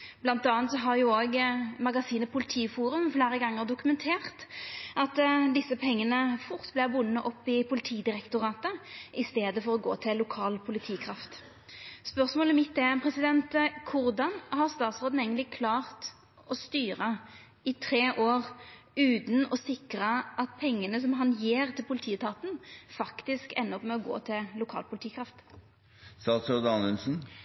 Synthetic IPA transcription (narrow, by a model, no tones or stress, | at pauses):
b̥lɑnt̪ɑːnt̪sɔɦɑʁjʊoːɡmɑɡɑsiːnəpʰʊlɪt̪ʰiːfuːɾʉmfleːɾəɡɑŋːəʁd̪ʊkʉmɛnt̪ʰeːʁt̪ɑt̪d̪ɪsːəpʰɛŋːənəfʊʁt̪blɛʁbʊnːəʔɔpːɪpʰʊlɪt̪ʰiːd̪ɪʁɛkt̪ʊʁɑːt̪əʔɪst̪eːd̪əfɔʁɔɡo̰ːt̪ʰɪllːʊkʰɑːlpʰʊlɪt̪ʰiːkʰɾɑft̪ | spœʁsmoːlɪmɪt̪ːɛpʰʁɛsɪd̪ɛnt̪kʰʊʁd̪ɑnhɑʁst̪ɑːt̪sʁoːd̪n̩eɪɡənlɪkʰlɑːʁt̪ | ɔst̪yːʁə | ɪt̪ʰɾeːʔoːʁ | ʉːt̪n̩ɔsɪkɾəʔɑt̪̚pʰɛŋːənəs̬ɔmɦɑnjeːʁt̪ʰɪlpʰʊlɪt̪ʰiːt̪ʰɑːt̪n̩fɑkt̪ɪskɛ̰nːəɔpmɛɔɡo̰ːt̪ʰɪllʊkʰɑ̰ːlpʰʊlt̪iːkʰɾɑft̪ | st̪ɑːt̪sɔːd̪ɑːnənsn̩